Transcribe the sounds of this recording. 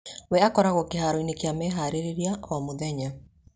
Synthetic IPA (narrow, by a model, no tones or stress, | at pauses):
wɛakɔɾaɣokeɦaːɾɔinekeamɛɦaɾeɾeɾiaʔɔmoðɛɲa